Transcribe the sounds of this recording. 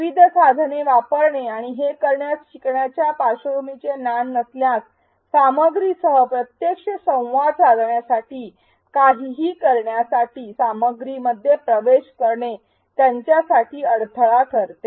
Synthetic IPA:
ʋid̪ʱəsad̪ʱneʋapəɾɳeaɽ̃iɦekəɾɳjast͡ɕikɳjat͡ɕjapaɕəɾumit͡senanːəsljãs | saməɡɾisəɦəpɾət̪jekʂəsə̃w̃ʋad̪sad̪ʱɳjasaʈiː | kaɦiːɦiːkəɾɳjasaʈiːsaməɡɾiməd̪ʱːjepɾəʋeɕkəɾɳe | t̪jaɲt͡ɕjasaʈiːəɽt̪ʰəɭakʰəɾt̪e

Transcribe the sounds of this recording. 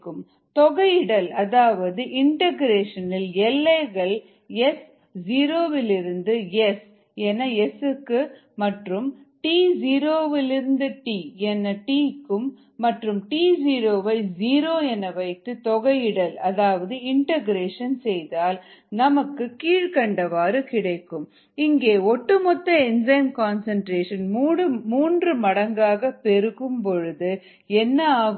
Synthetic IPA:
kːɯm | t̪ɔɣɐjɪɽɐlɐðaːʋɐðɯʔɪɳʈɐɣɾeːʂɐnɪlɛlːɐɪɣɐɭ | ɛs | d͡ʒiːɾoːʋɪlɪɾɯnd̪ɯjɛs | ɛnːɐɛsɯkːɯ | mɐʈrɯmʈiːd͡ʒiːɾoːʋɪlɪɾɯnd̪ɯʈiːɛnːɐʈiːkːɯmː | ɐʈrɯmʈiːd͡ʒiːɾoːʋɐɪziːɾoːɛnːɐʋɐɪt̪ːɯt̪ɔɣɐjɪɽɐlɐðaːʋɐðɯɪɳʈɐɡɾeːʂɐnsɛjðaːlnɐmɐkːɯkiːɻkɐɳɖɐʋaːɾɯkɪɽɐɪkːɯm | ɪŋɡeːɔʈːɯmɔt̪ːɐɛnd͡ʒɐɪmkaːnsɐɳʈɾeːʂɐnmːɽɯmuːndrɯmɐɽɐŋɡaːɣɐpɛɾɯɣɯmpɔɻɯðɯ | ɛnːɐaː

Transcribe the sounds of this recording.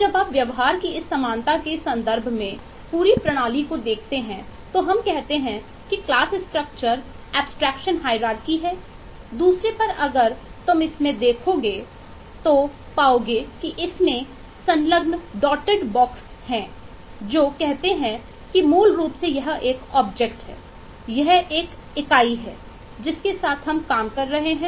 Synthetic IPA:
d͡ʒɐbaːpʋjɐʋɦaːɾkiɪsːɐmaːnt̪akesɐ̃nd̪əɾbʱmẽ | puːɾipɾɐɽ̃aːlikod̪eːkʰt̪eɦɛ̃t̪oɦɐmkɛɦt̪eɦɛ̃ | kiklaːsɪsʈɾək̚t͡ʃəɾ | ɛːbsʈɾɛːkʃənɦaːɪɾaːɾkiɦɛː | d̪uːsɾepɐɾɐɡəɾt̪ʊmɪsmẽd̪eːkʰoɡeː | t̪o | paːoːɡekiʔɪsmẽ | sɐ̃nləɡnɖɔːʈeɖbɔːks | hɛ̃ː | d͡ʒoːkɛɦt̪eɦɛ̃ | kimuːlɾuːpsejɐɦeːkɔːbd͡ʒek̚ʈɦɛ̰ː | jɐɦeːk | ɪkaːiɦɛ̰ː | d͡ʒɪskesaːt̪ʰɦɐmkaːmkɐɾːɐɦeɦɛ̃

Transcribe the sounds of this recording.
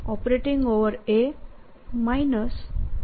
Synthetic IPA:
ɔpɾeʈĩŋowəɾe | majnəs

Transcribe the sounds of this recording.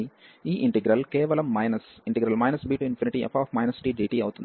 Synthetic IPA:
iiːʔiɳʈeɡɾɐlkɛːʋɐlɐmːɐjnɐsiɳʈɛɡɾɐlmɐjnɐsbiːʈuinpʰiniʈiʔɐ̰pʰaːpmɐjnɐsi̥ʈiːɖiːʈiːɐwut̪und̪i

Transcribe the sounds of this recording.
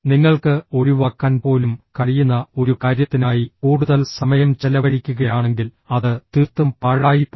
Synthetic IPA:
niŋːɐɭkɨo̞ɾuʋaːkːaːnpo̞ːlumkɐɻijunːɐo̞ɾukaːɾjɐt̪ːinaːjikuːɽuðɐlsɐmɐjɐmt͡ɕelɐʋɐɽikʲːuɣɐjaːɳe̞ŋɡil | ɐðɨt̪iːrt̪ːumpaːɻaːjipː

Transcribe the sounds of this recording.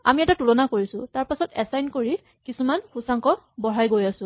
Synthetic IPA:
a̰miɛtatulɔnakoɹisʊ̃taɹpasɔtɛsajnkoɹi | kisumanxusaŋkɔbɔɹajɡojasʊ̃

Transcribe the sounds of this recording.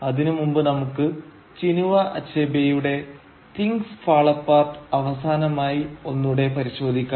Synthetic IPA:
ɐðinumumbɨnɐmukːɨ | t͡ɕinuʋɐʔɐt͡ɕːeːbjɐjuɽe̞ | t̪iŋɡsfaːɭɐpːaːrt̪ɨɐʋɐsaːnɐmaːjio̞nːuɽe̞pɐɾiɕo̞ːd̪ʱikʲːa

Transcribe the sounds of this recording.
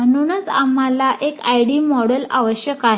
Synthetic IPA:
mənunət͡samalaʔekajɽiːmɔɽəla̰ʋəɕjəkaɦe

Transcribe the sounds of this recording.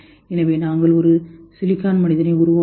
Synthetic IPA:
ɛnɐʋeːnaːŋɡɐɭɔɾɯsɪlɪkːaːnmɐnɪðɐnɐɪʊɾʊʋa

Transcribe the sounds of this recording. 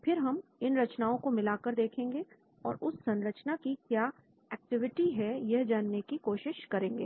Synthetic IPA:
pʰɪɾɦɐmɪnɾɐt͡ʃnaːõkomɪlaːkəɾd̪eːkʰẽːŋ̆ɡe | ɔːɾʊsːɐ̃nɾət͡ʃnakikjaː | ɛːk̚ʈɪʋɪʈiɦɛjɐɦd͡ʒaːnːekikoːʃɪʃkɐɾẽːŋɡḛː

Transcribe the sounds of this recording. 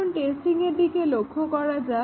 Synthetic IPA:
nʈessʈiŋeɾd̪ikelokʰokɔɽad͡ʒa

